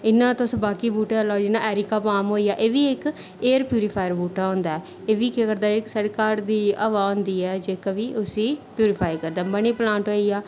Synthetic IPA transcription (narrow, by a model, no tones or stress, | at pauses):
ɪnːãːt̪osbaːkiːbuːʈalaːd͡ʒɪnãːʔɛːɾikaːpaːmɦoːiːaːʔeːʋiːɪk | eːɾpjuːɾɪpʰaːjəɾbuːʈaːɦõːnd̪aːɛ | eːʋiːkekəɾd̪aːɪksəɽkaːɾd̪iːaːʋaːõnd̪iːɛːd͡ʒeːkaʋiːʊsĩːpjuːɾɪpʰaːikəɾd̪aːbəɳ̃iːplãːɳʈɦoːiːaː